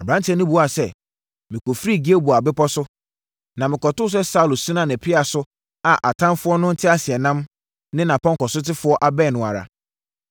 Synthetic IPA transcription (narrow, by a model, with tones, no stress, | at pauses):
a˨bã˦ntʰɛ˨˦nʊ̃˦bu˨a˨sɛ˦˨ | mɪ̃˨ko˨fɾi˦˨ɡi˦e˦bu˨a˨bɪ˦pɔ˦sʊ˦ | nã˨mɪ̃˨kɔ˨tʊ˦s̬ɛ˦sa˦u˨lsu˦nã˨nɪ̃˨pʰɪ˦a˨sʊ˦ | a˨ʔa˨tʰã˦mfʊ˦ɔ˦nʊ̃˦n̩˦tʰɪ˦a˦sɪ˨ɛ˨nã˦m | nɪ̃˦nã˨pʰɔ̃˦ŋ˨kɔ˨sʊ˦tɪ˦fʊ˦ɔ˦ʔa˨bɛ˦˨nʊ̃˨a̰˨ɾa̰˨